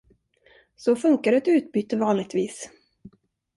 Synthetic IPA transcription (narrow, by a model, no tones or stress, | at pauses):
sɔfɵŋkaɾɛt̪ʉ̟ːt̪̚byːt̪ːəvɑːnlɪɡ̚t̪viːs